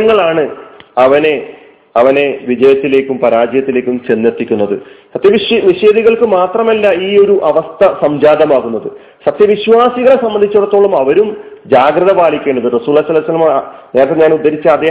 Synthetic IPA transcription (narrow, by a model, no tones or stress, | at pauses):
ŋːɐɭaːɳɨɐʋɐne̞ | ɐʋɐne̞ʋid͡ʑɐjɐt̪ːile̞ːkʲːumpɐɾaːd͡ʑjɐt̪ːile̞ːkʲːumt͡ɕe̞nːert̪ːikʲːunːɐðɨsɐt̪jɐʋiʋiʂeːðiɣɐɭkɨmaːt̪rɐmɐlːɐiːo̞ɾuʔɐʋɐst̪ʰɐsɐmd͡ʑaːd̪ɐmaːɣunːɐðɨ | sɐt̪jɐʋiɕʋaːsiɣɐɭesɐmbɐnd̪it͡ɕːuɽɐt̪ːo̞ːɭːumɐʋɐɾumd͡ʑaːɡrɐðɐbaːlikʲːe̞ːɳɖɐðɨrɐsuːlːaːisɐlːisɐlːɐmne̞ːɾɐt̪ːeɲaːnud̪ːɐɾit͡ɕːɐɐd̪ːeː